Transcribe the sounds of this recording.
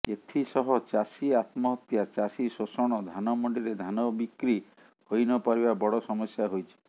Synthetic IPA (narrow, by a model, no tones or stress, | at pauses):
et̪ʰisɔɦɔt͡ʃasiat̪mɔɦɔt̪jat͡ʃasisosɔɽ̃ɔd̪ʱanɔmɔɳɖiɾed̪ʱanɔbikɾi | hojnɔpaɾibabɔɽɔsɔmɔsjaɦojt͡ʃʰi̥